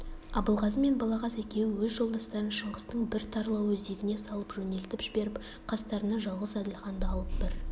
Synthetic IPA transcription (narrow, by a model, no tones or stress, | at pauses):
ɑbəlˠʁɑzəme̞nbɑlˠɑʁɑse̞kʲe̞wɪwɵzʒo̞lˠd̪ɑst̪ɑɾənʃəɴʁəst̪əɴbɪɾt̪ʰɑɾlˠɑwɵze̞ɡʲɪne̞sɑlˠəpʒɵne̞lt̪ɪpʒɪbe̞ɾɪp | qʰɑst̪ɑɾənɑʒɑlˠʁəzæd̪ɪlχɑnd̪əɑlˠəp̚bɪɾ